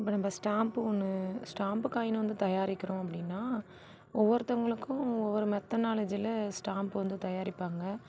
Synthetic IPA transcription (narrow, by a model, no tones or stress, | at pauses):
ɪpːɐːnɐmbɐsʈaːmpɯɔnːɯsʈaːmpɯkaːjɪnɐʋɐnd̪ɯt̪ɐjaːɾɪkːɐɾʊ̃ɐpːɐɽɪnːaː | ʔɔʋːɔɾɯt̪ːɐŋɡɐɭɯkːʊ̃ɔʋːɔɾɯmɛt̪ːɐnaːlɐd͡ʒiɪlsʈaːmpɯʋɐnd̪ɯt̪ɐjaːɾɪpːaːŋɡɐ